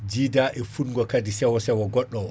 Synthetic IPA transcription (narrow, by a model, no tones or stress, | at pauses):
d͡ʒiːdaʔɛfunŋɡɔkadisɛwɔsɛwɔɡɔɗːɔ